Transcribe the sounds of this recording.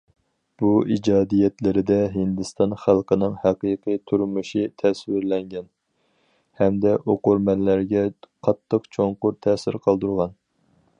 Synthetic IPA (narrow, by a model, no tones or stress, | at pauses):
b̥uid͡ʒɑːd̪ijɛt̪lɪɾɪd̪ɛɦɪnd̪ɨst̪ɑnχælˠqənɨŋhæqijqʰijt̪ʰuɾmuʃit̪ʰɛswɪɾlɛŋɡʲɛn | hɛmd̪ɛʔoqʊɾmɛlːæɾɡʲɛqʰɑt̪ʰːəqt͡ʃʰoŋqʊɾt̪ʰɛːsɪɾqʰɑlˠd̪uɾʁɑn